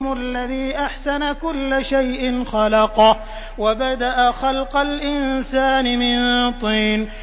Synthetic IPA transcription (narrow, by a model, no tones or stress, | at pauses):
mʊʔalːaðiːʔaħsanakʊlːaʃajʔɪnxɑlɑqɑ | wabad̪aʔaxɑlqɑlʔɪnsaːnɪmɪnt̪ˤiːn